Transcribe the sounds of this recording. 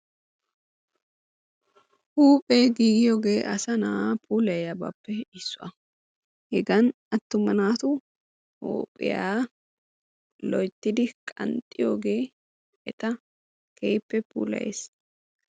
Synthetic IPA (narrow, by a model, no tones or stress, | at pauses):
huːpʼeːɡiːɡɪjoːɡe̞ːʔɐsɐnapʰuːlɐjɐbɐ̰ːpːɛɪsːʊʔɐ | hɛɡɐn | ɐt̪ːʊmːɐnaːt̪ʊ | hṵːpʼɪ̰jaː | lɔjt̪ːɪd̪ɪkʼɐ̰nt̪ʼːɪjoːɡe̞ː | ʔɛt̪ɐ | kʰɛjpːɛpṵːlɐ̰jḛːs